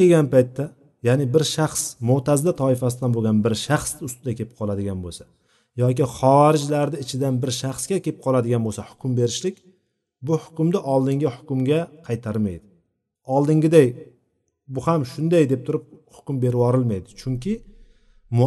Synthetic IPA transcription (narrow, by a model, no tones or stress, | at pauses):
eɡʲanpajt̪ʰːa | janɪbɪɾʃaχsmʊt̪ʰazd̪at̪ʰɒɪfasɪd̪anboɡʲanbɪɾʃaχsʊst̪ɪd̪akʲʰe̞pɪ̥qʰɒlˠad̪ɪɡʲanbolˠsḁ | jɒkʲiχɒaɾɪd͡ʒlaɾd̪ɪɪt͡ʃʰɪd̪anbɪɾʃaχskʲakʲʰe̞pɪ̥p̚qʰɒlˠad̪ɪɡʲanbolˠsahʊ̥kʲʰʊmbe̞ɾɪʃlɪkʲ | bʊhʊ̥kʲʊmd̪ɪʔɒlˠd̪ɪŋɡʲɪhʊ̥kʲʊmɡʲaqʰɑjt̪ʰaɾmajd̪ɪ | ɒlˠd̪ɪŋɡʲɪd̪aj | bʊhamʃʊnd̪ajd̪e̞p̚t̪ʰʊɾɪp̚hʊ̥kʲʊmbe̞ɾɪwɒɾɪlˠmajd̪ɪt͡ʃʰʊŋkʲʰɪ | m